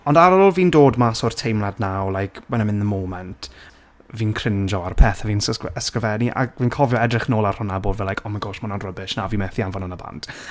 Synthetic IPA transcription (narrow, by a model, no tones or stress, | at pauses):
ɔndaɾɔoːlˠviːndoːdmasoːrtʰejmladnawlˠajkʰwɛnɛmɪ̃ndəmoːmɛntʰ | viːnkʰr̥ɪnd͡ʒɔarpʰɛːθaviːnəskəvɛniʔa̰ɡviːnkʰɔvjɔɛdrɪχnoːlˠar̥hʊnaboːdvɛlajkʰɔmaɡoːʃmanɔnrəbɪʃnaviːmɛθianvɔnənəba̰nt